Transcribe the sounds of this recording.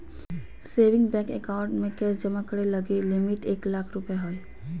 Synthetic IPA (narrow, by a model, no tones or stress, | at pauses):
seːʋɪ̃ŋɡbɛːkɛ̰kaʊɳʈmẽkɛːsd͡ʒɐmakəɽelɐɡelɪmɪʈeːklaːkʰɾʊpeɦoːe